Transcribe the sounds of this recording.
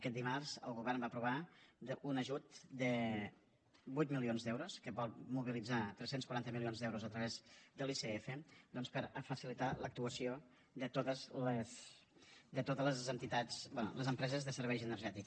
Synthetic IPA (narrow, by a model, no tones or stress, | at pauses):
əkɛt̪̚d̪imarz̥ə̰lˠɣuβɛrmbapɾuβ̞aunəʒut̪d̪ə | bujt̪̚milionzðɛwɾuskəβɔlˠmuβilid͡zat̪ɾɛsenskwuɾant̪əmilionzðɛwɾuzət̪ɾəβɛzd̪əliseefəd̪ɔnspəɾəfəsilit̪alək̚t̪uəsio | d̪ət̪ot̪əzləs | d̪ət̪ot̪ələzənt̪it̪at͡sbɛnṵləzəmpɾɛzəzðəsəɾβɛjʒənərʒɛt̪ik